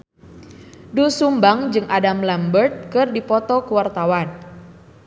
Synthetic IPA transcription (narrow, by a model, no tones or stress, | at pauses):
dusumbaŋd͡ʒɨŋʔadamlambərt̪̚kɨrdipɔt̪ɔkuwart̪awan